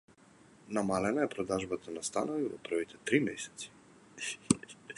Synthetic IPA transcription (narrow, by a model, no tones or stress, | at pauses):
namalɛnaɛpɾɔd̪aʒbat̪ʰanast̪anɔvivɔ̰pɾɔvit̪ɛt̪ɾimɛsɛ̥t̪si̥